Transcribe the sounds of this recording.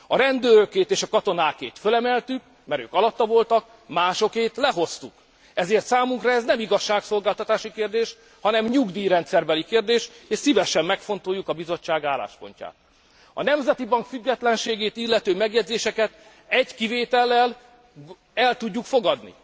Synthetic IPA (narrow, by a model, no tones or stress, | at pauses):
ɒɾɛnd̪øːɾøkeːt̪eːʃɒkɒt̪o̞naːkeːt̪følɛmɛlt̪yk̚ | mɛɾø̰ːkɒlɒt̪ːɒvo̞lt̪ɒk | maːʃo̞keːt̪lɛɦo̞st̪uk | ɛzeːrt̪saːmuŋkrɒɛznɛmiɡɒʃːaːkso̞lɡaːlt̪ɒt̪aːʃikeːrd̪eːʃ | hɒnɛmɲuɡd̪iːɾɛnt̪sɛrbɛlikeːrd̪eːʃeːʃsivɛʃɛmːɛkfo̞nt̪ojukɒbizo̞t͡ʃːaːɡaːlːa̰ːʃpo̞̰ɲca̰ːt̪̚ | ɒ̰nɛmzɛt̪ibɒŋkfyɡːɛt̪lɛnʃeːɡeːt̪ilːɛt̪øːmɛɡjɛd̪zeːʃɛkɛt̪ | ɛɟkiveːt̪ɛlːɛl | ɛlt̪uɟːukfo̞ɡɒd̪nḭ